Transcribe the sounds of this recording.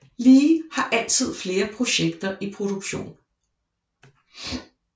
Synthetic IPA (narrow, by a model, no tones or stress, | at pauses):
liːhɑ̈ʔæl̰t͡sʰið̞̰ˠfle̝ːɐpʰʁo̝ɕeɡ̥̚d̥ɐʔipʰʁo̝d̥uɡ̥ɕo̝̰ːn